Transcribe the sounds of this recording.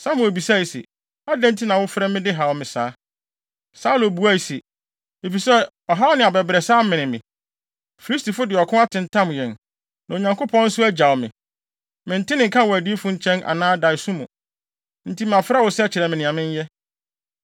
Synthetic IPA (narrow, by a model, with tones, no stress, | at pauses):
sa˦mʊ̃˨o˨bi˨sa˦˨i˨sḛ˨ | a˦dɛ̃˦n̩˦tʰi˦nã˨wʊ˦fɾɛ˦mɪ̃˦dɪ˦ɦa˨wmɪ̃˨saː˦ | sa˦lo˨bu˨˦a˦i˨se˨ | e˨fi˨sɛ˦ | ɔ˨ɦa˦nɪ̃˨a˨bɛ˨bɾɛ˨saː˦mɪ̃˨nɪ̃˨mɪ̃˨ | fi˨li˦sti˨fʊ˦dɪ˨ɔ˨kʰʊ̃˦a˦tʰɪ̃˨n˨tʰã˦m˨jɛ̃˨n | nã˨o˨ɲã˨ŋkʰʊ˦pʰɔ̃˦n̩˦sʊ˦æ˦d͡ʑa˨wmɪ̃˨ | mɪ̃˨n̩˨tʰɪ̃˦nɪ̃˨ŋ̩kʰã˦wɔ˨æ˨di˦fʊ̃˦ɲ̩˦t͡ɕʰɛ̃˦nʔa̰˨nãː˦da˨i˨sũ˦mũ˨ | n̩˦tʰi˦m˦˨ã˨fɾa˦wʊ˨st͡ɕʰɪ˨ɾɛ˨mɪ̃˨nɪ̃˨ã˨mɪ̃˦ɲ˦jɛ˦